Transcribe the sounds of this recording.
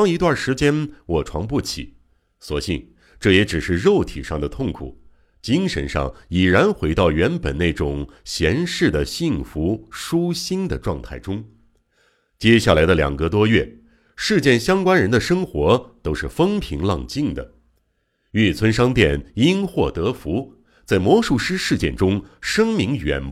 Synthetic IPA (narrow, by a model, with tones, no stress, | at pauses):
ɑ˥ŋi˧˥t̪wa˥˩nʂɻ̩˧˥t͡ɕjɛ˥nwɔ˨˩ʈ͡ʂʰwɑ̰˧˥ŋpu˥˩t͡ɕʰḭ˨˩˦ | swɔ˨˩ɕḭ˥˩n | ʈ͡ʂɤ˥˩jɛ˧˥ʈ͡ʂɻ̩˨˩ʂɻ̩˥˧ɻo˥˩ʊt̪ʰi˨˩ʂɑ˥˩ŋd̪ə˩t̪ʰʊ˥˩ŋkʰṵ˨˩˦ | t͡ɕi˥ŋʂə̰˧˥nʂɑ̰˥˩ŋi˨˩ɻa˧˥nxwe˧˥ɪt̪ɑ˥˩ʊɥɛ˧˥npə˨˩nne˥˩ɪʈ͡ʂʊ˨˩ŋɕjɛ˧˥nʂɻ̩˥˩d̪ə˩ɕi˥˩ŋfu˧˥ʂu˥ɕi˥nd̪ə˨ʈ͡ʂwɑ˥˧ŋt̪ʰa˥˩ɪʈ͡ʂʊ˥ŋ | t͡ɕjɛ˥ɕja˥˩la˧˥ɪd̪ə˧ljɑ̰˨˩ŋɡə˧t̪wɔ˥ɥɛ˥˩ | ʂɻ̩˥˧t͡ɕjɛ˥˩nɕjɑ˥ŋkwa˥nɻə˧˥nd̪ə˧ʂɤ˥ŋxwɔ˧˥t̪o˥ʊʂɻ̩˥˩fɤ˥ŋpʰi˧˥ŋlɑ˥˧ŋt͡ɕi˥˩ŋd̪ə̰˩ | y˥˩t͡sʰwə˥nʂɑ˥ŋt̪jɛ˥˩ni˥nxwɔ˥˩t̪ɤ˧˥fu˧˥ | t͡sa˥˩ɪmwɔ˧˥ʂu˥˧ʂɻ̩˥ʂɻ̩˥˧t͡ɕjɛ̰˥˩nʈ͡ʂʊ˥ŋʂɤ˥ŋmi˧˥ŋɥɛ̰˨˩n